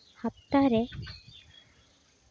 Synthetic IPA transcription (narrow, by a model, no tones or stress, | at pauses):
hap̚t̪aɾe